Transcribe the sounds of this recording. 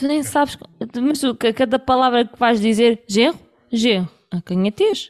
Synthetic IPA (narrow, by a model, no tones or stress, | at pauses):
t̪unẽj̃saβʃk̪mɐʃt̪ukɐkɐðɐpɐlˠavɾɐkvaʒðizeɾʒẽʁu | ʒẽʁuɐkɐ̃ɲɛt̪eʃ